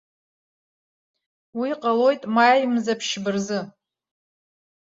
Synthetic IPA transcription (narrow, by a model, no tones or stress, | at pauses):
wiqʼalo̞jtʼmajmzapʰʃbɨrzɨ